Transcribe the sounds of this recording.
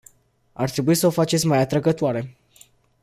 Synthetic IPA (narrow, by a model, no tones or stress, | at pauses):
a̰rt̪ɾe̞buisəofat͡ʃet̪sʲmajat̪ɾəɡət̪oaɾe̞